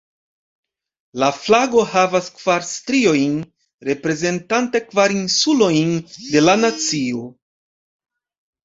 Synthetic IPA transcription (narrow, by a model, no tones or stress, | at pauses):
laflaɡo̞havaskv̥aɾstɾio̞jn | ɾe̞pɾe̞ze̞ntante̞kvaɾinsulo̞jnde̞lanat͡sio̞